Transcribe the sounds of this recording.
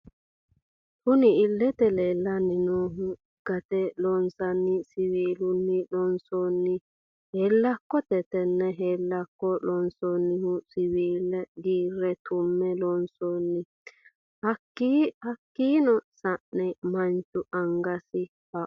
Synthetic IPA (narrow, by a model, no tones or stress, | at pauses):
kʊnɪɪlːɛt̪ɛleːlːɐnːɪnoːɦʊ | ɡ̥ɐt̪ɛlɔnsɐnːɪsɪwiːlʊnːɪlɔnsonːɪ | helːɐkːɔt̪ɛt̪ɛnːɛɦeːlːɐkːɔlɔnsoɔnːɪhʊsɪwiːlɛɡiːɾːɛt̪ʊmːɛlɔnsoːnːɪ | hɐkːihɐkːiːnɔsɐʔnɛmɐnt͡ʃʊʔɐŋɡɐsɪ | haʔ